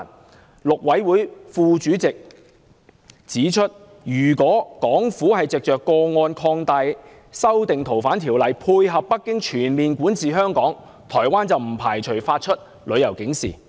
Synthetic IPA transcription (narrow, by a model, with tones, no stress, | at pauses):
lʊ˨k̚wɐ˨˥jwuː˨˥jfuː˧t͡ʃyː˨˥t͡sɪ˨k̚ | t͡siː˨˥t͡ʃʰɵ˥t̚ | jyː˨˩kɔː˨˥kɔː˨˥ŋfuː˨˥hɐ˨jt͡sɪ˨k̚t͡ʃœː˨kːɔː˧ŋɔː˧nkʰɔː˧ŋt̪ɐ˨˧j | sɐ˥wt̪ɪ˨ŋt̪ʰo˨˩wfaː˨˥nt̪ʰiː˨˩wlɐ˨˩jpʰuː˧jɦɐ˨pːɐ˥kːɪ˥ŋt͡ʃʰyː˨˩nmiː˨nkuː˨˥nt͡sʰiː˨ɦœː˥ŋkɔː˨˥ŋ | t̪ʰɔː˨˩jwaː˥nt͡sɐ˨wm̩˨˩pʰaː˨˩jt͡ʃʰɵ˨˩ɥfaː˧t̚t͡ʃʰɵ˥t̚ | lɵ˨˧ɥjɐ˨˩wkɪ˨˥ŋsḭː˨˩